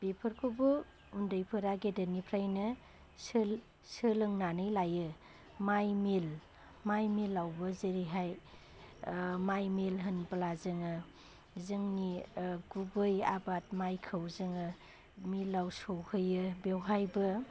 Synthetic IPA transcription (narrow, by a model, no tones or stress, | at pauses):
b̥epʰɯɾkʰobɯ | undɯjpʰɯɾaɡedənipʰɾajnɯ | sɯl | sɯlɯŋnanɯjlajɯ | majmil | majmilːawbɯzeɾiɦaj | majmelɦɯnblazɯŋɯ | zɯŋniɡubɯjabat̚majkʰɯwzɯŋɯ | milːawsowhɯjɯbewɦajbɯ